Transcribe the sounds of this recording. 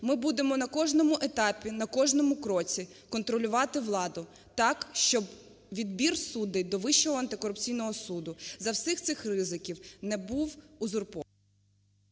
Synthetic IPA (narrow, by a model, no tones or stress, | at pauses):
mɪbud̪emɔnɐkɔʒnɔmʊʔet̪ɑpʲinɐkɔʒnɔmʊkɾɔt͡sʲi | kɔnt̪ɾɔlʲʊʋɑt̪ɪʋlˠɑd̪ʊ | t̪ɑkʃt͡ʃɔb | ʋʲid̪bʲirsud̪ɪd̪ɔʋɪʃːɔɦɔɐnt̪ɪkɔɾʊp̚t͡sʲijnɔɦɔsud̪ʊzɐwsɪxt̪sɪxrɪzɪkʲiwnɛbuwuzʊrpɔ